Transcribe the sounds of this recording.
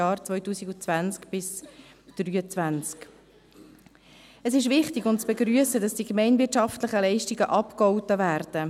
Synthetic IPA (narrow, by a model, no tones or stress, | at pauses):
ɑːɾt͡svœʏtuːsiɡʊt͡svænt͡skb̥ɪs | d̥ryːət͡svænt͡sk | əsɪʃ̬vɪχtɪɡʊnt͡sb̥eɡɾyəsədɑsd̥ikmɛɪnvɪtt͡ʃʃɑftlɪχəlɛɪʃtiɡəʔɑpkɔʊtəvæːɾd̥ə